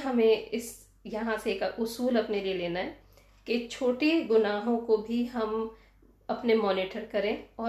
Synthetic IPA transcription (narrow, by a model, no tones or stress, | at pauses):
ɦɐmẽɪs | jɐɦãseːkaʔʊsuːlɐpnelieleːnaɦɛ | ket͡ʃʰoːʈeɡʊnaːɦõkobʱiɦɐm | ɐpnemɔːnɪʈəɾkɐɾẽːɔː